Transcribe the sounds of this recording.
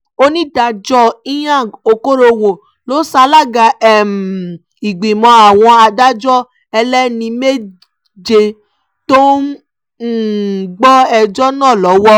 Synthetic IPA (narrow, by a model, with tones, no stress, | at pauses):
o˦nĩ˦da˧d͡ʒɔ˦i˦jã˦˨o˧ko˦ɾo˧wo˨ | lo˨˦sa˧˦la˦˨ɡa˧˨ɛ˦˨m˨ | i˨ɡ͡bĩ˨mɔ̃˧a˨w̃ɔ̃˧a˧da˦d͡ʒɔ˦ | ɛ˧lɛ˦nĩ˧me˦ | d͡ʒe˧ | to˦˨ | ɡ͡bɔ˦ɛ˧d͡ʒɔ˦nãː˦˨lɔ˨˦wɔ˦